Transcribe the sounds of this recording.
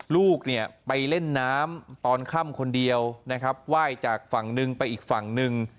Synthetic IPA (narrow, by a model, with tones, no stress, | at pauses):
luː˥˩k̚ni˥˩ɐpa˧jle˥˩nːaː˦˥mt̪ɔː˧nkʰa˥˩mkʰo˧ndi˧əwna˦˥kʰa˦˥p̚waː˥˩jt͡ɕaː˨˩k̚fa˨˩ŋnɯ˧ŋpa˧jʔiː˨˩k̚fa˨˩ŋnɯ˧ŋ